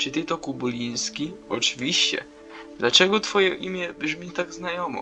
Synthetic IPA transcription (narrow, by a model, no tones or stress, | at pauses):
t͡ʂɨt̪ɛt̪ɔkubulʲij̃skʲiɔt͡ʂɨvʲiɕt͡ɕɛ̰ | d̪lat͡ʂɛɡɔt̪fɔjɛʔimʲjɛbʐmʲit̪aɡznajɔmɔ̰